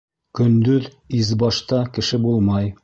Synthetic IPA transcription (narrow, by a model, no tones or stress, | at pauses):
kɵ̆nd̪ɵð | izbɑʃt̪ɑkɘ̆ʃɘbulˠmɑj